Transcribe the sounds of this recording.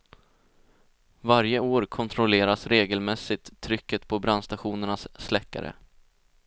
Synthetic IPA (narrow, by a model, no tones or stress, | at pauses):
vaɾjəoːɾkʰɔnt̪ʰɾɔleːɾasɾeːɡəlmɛsːɪt̪ʰːɾʏkːət̪pʰɔbɾanst̪aɧuːnəɳasːlɛkːa̰ɾə̰